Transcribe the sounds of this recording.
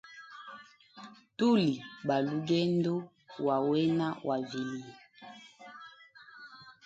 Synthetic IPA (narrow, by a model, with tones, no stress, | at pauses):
tu˦li˨ba˨lu˦ɡɛ˦n˦do˦ | wa˨wɛ˦na˦wʔa˨vi˨li˨